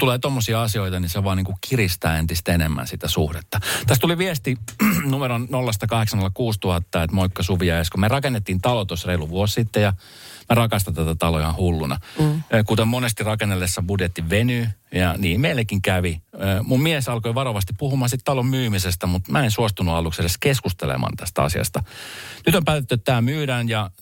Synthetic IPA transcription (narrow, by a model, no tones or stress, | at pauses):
t̪uleːt̪omːosiɑɑsioit̪ɑniseʋɑːniːŋkukirist̪æːent̪ist̪enemːæ̰nsit̪æsuhdet̪ːɑt̪æst̪uliʋiest̪inumeɾonnolːɑst̪ɑkɑheksɑŋkelɑkuːst̪uhɑt̪ːɑet̪moikːɑsuʋiɑeskumerɑkenːet̪ːint̪ɑlot̪osreiluʋuossit̪ːejɑ | mærɑkɑst̪ɑnt̪æt̪æt̪ɑloihɑ̃hulːunɑ̰kut̪emmonest̪irɑkenːelːesːɑbudjet̪ːiʋʋenyjɑniːmmeilːekːiŋkæʋiøːmummiesɑlkoiʋɑroʋɑst̪ippuhumɑːsit̪t̪ɑlommyːmisest̪æmut̪mæensuost̪unuɑluksedeskeskust̪ḛlḛmɑ̰nt̪æst̪æɑ̰siɑ̰st̪ɑnyt̪ompæːt̪et̪ːyet̪t̪æːmyːɾæːnjɑ